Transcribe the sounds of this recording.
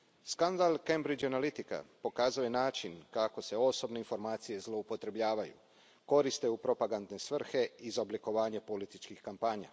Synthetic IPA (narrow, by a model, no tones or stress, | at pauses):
skand̪alˠkembɾid͡ʒanalit̪ika̰po̞kaːzuje̞naːt͡ʃinkako̞se̞o̞so̞bneinfo̞ɾmaːt̪sije̞zlˠo̞upo̞t̪ɾe̞bʎaːʋajṵ | ko̞ɾist̪e̞upɾo̞paɡand̪ne̞sʋr̩xe̞izobliko̞ʋaːɲe̞po̞lit̪it͡ʃkixkampaːɲa̰